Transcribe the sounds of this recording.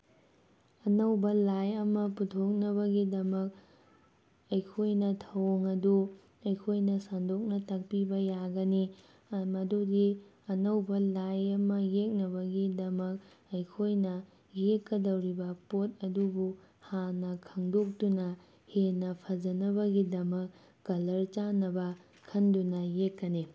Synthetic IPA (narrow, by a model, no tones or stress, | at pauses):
ɐnɐwbɐlajɐmɐputʰok̚nɐβɐɡidɐmɐk̚ | ɐjkʰojnɐtʰɐwŋɐdu | ɐjkʰojnɐsandok̚nɐtɐk̚pibɐjaɡɐni | mɐdudi | ɐnɐwbɐlajɐmɐjek̚nɐbɐɡidɐmɐk̚ | ɐjkʰojnɐ | jekːɐdɐwɾibɐpot̚ɐdubu | hanɐkʰɐŋdok̚tunɐ | henɐpʰɐd͡ʒɐnɐβɐɡidɐmɐkː | ɐlɐɾt͡ʃanɐbɐ | kʰːɐndunɐjekːɐni